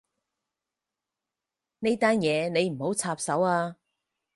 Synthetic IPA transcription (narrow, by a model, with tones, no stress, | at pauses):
ne˥jt̪aː˥njɛː˨˧ne˨˧jm̩˨˩ho˨˥wt͡sʰaː˧psɐ˨˥waː˧